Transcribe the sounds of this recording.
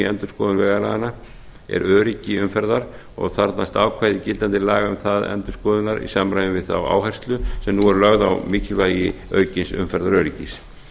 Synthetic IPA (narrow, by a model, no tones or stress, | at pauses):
ɛnt̪ʏ̥skɔːðʏnvɛːɣalaɣana | ɛ̰ɾœːɾɪcːɪʏmfɛɾðaɾ̥ | ɔ̰ɣθaɾt̪nast̪awkʰvaːjðɪcɪlant̪ɪlaːɣaʏmθaðɛ̰nt̪ʏ̥skɔːðʏnaɾḭsamɾajvnvɪðθa̰wa̰ːwɦajr̥st̪lʏsɛmnuɛɾlœɣða̰wmɪːcɪlvaːjɪœ̰ːɥcɪnsʏ̰mfɛɾðaɾœːɾicɪs